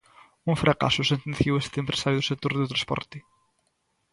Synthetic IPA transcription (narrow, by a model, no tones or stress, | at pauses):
ũfɾʔaka̰sʊsẽnt̪ẽnθjiwest̪ɪempɾesaɾjʊðʊsek̚t̪oɾðʊt̪ɾãspɔ̰ɾt̪ɪ